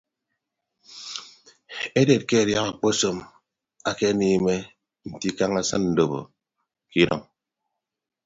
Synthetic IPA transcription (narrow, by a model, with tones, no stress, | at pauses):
e˦de˨t̚ke˦a˨ɾja˦ka˨k͡po˦so˨m | a˨ke˦niː˦me˦ | n̩˨ti˦ka˦ŋa˦sa˦nn̩˨do˨bo̰˨ | ki˦ɾɔ̰˨ŋ